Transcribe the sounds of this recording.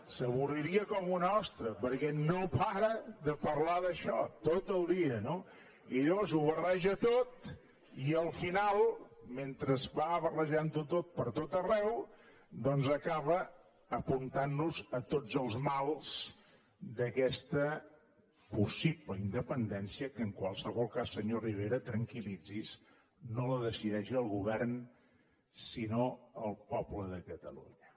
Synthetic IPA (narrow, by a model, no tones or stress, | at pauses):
səβuriɾiəkɔmunɔst̪ɾəpəɾkɛnopaɾəðəpəɾlaðəʃɔt̪ot̪əlˠd̪iəno | ilozuβərɛʒət̪ot̪̚ | iəlˠfinalˠment̪ɾəzβaəβərəʒant̪ut̪ot̪̚pəɾt̪ot̪ərɛw | d̪ɔnzəkaβəː | punt̪anːuzət̪od͡zəlˠzmalˠz | d̪əkɛst̪ə | pusipləind̪əpənd̪ɛnsiəkəːŋkwalˠsəβɔlˠkasːəɲoriβ̞eɾət̪ɾəŋkilid͡zis | noləðəsiðɛʃiəlˠɣuβɛrn | sinoəlˠpɔpləðəkət̪əlṵɲə